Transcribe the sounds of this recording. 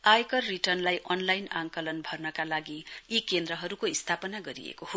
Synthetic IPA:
ajkʌrːiʈʌrnlajʔʌnlajnaŋkʌlʌnbʱʌrnʌkalaɡiikend̪ɾʌɦʌɾukoist̪ʰapʌnaɡʌɾḭḛkoho

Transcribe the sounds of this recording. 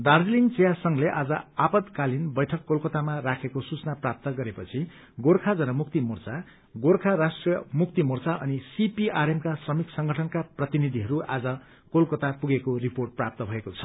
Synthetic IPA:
d̪ard͡zlint͡sejasʌŋleʔad͡zʌapʌd̪kalinbʌjʈʰʌkːolkot̪amarakʰekosut͡snaprap̚t̪ʌɡʌɾepʌt͡sʰi | ɡorkʰad͡zʌnʌmuk̚t̪imurt͡sa | ɡorkʰaɾasʈrijʌmuk̚t̪imurt͡saʔʌnisipiaɾemkasrʌmiksʌŋɡʱʌʈʰʌnkaprʌt̪inid̪ʱiɦʌɾuʔad͡zʌ | kolkʌt̪apuɡekoriporʈ̚prap̚t̪ʌbʱʌekot͡sʰʌ̥

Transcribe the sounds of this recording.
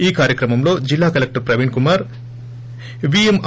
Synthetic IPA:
iːkaːɾjɐkɾɐmɐmlo̞ːd͡ʒilːaːkɐlek̚ʈɐɾpɾɐʋiːɳkumaːɾ | ʋiem

